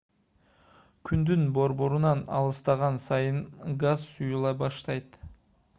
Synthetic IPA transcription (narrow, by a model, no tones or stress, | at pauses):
kʲʰynd̪ynbo̞ɾbo̞ɾunɑnɑ̰lˠɯst̪ɑʁɑnsɑjɯnɡazsujulˠɑbɑʃt̪ɑjt̪